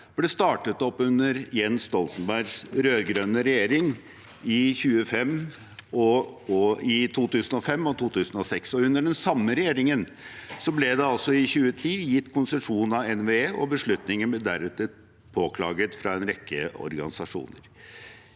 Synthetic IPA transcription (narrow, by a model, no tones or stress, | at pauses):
b̥lɛst̪ɑːʈət̪ɔpːʉnːəɾjɛnst̪ɔlt̪ən̩bæɾɡsɾøːɡɾœnəɾɛjeːɾɪŋ | ɪçʉːəfɛmː | ɔɔɪt̪ʰuːt̪ʉːsn̩ɔfɛmːɔt̪ʰuːt̪ʰʉːsən̩ɔsɛksɔʉnːəɖɛnsɑmːəɾɛjeːɾɪŋən | sɔblɛd̪ɛɑlsɔɪçʉːət̪ʰiːjɪt̪ːkʰʊnsɛʂuːn̩ɑɛnʋeːeːʔɔ̰bəʂɭʉt̪nɪŋənbɛd̪æɾʉt̪ːə | pʰoːkʰlɑ̰ːɡət̪fɾɑɛnɾɛkʰːəɔ̰ɾɡɑ̰nɪsɑʂṵːnəɾ